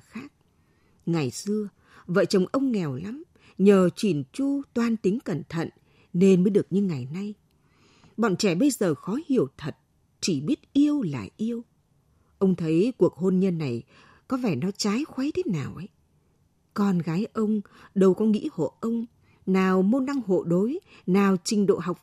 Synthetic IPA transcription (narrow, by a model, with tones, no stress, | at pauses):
xaː˦˥k̚ | ŋa˨˩jsɨ˧ə | və̰ː˧˨t͡ɕə˨˩wŋ͡mʔə˧wŋ͡mŋɛ˨˩wla˨˦m | ɲəː˨˩t͡ɕi˧˩nt͡ɕu˧t̪waː˧nt̪ï˨˦ŋ̟kə˧˩nt̪ʰə̰˧˨n | ne˧nməː˨˦jɗɨ˨˩ək̚ɲɨ˧ŋa˨˩jna˧j | ɓɔ̰˧˨nt͡ɕɛ˧˩ɓə˧jzəː˨˩xɔ˨˦hi˨˧˩əwt̪ʰə˨˩t̚ | t͡ɕi˧˩ɓi˦˥ət̚ʔi˧əwla̰ː˨˩ʔi˧əw | ʔə˧wŋ͡mt̪ʰə˨˦jku˨˩ək̚ho˧nɲə˧nːa˨˩j | kɔ˨˦vɛː˧˩nɔ˨˦t͡ɕaː˨˦jxwa˨˦jt̪ʰe˨˦naː˨˩wʔə˨˦j | kɔ˧nɣaː˨˦jʔə˧wŋ͡mɗə˧wkɔ˨˦ŋḭ˧˥ho̰˧˨ʔə˧wŋ͡m | naː˨˩wmo˧nɗa˧ŋɦo̰˧˨ɗo˨˦j | naː˨˩wt͡ɕï˨˩ŋ̟ɗo̰˧˨ɦa˨˩wk͡p̚